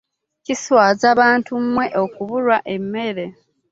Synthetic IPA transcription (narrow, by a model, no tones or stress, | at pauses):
ciswaːzaβaːntumːwe̞ʔo̞kuβulwaʔe̞mːe̞ɾe̞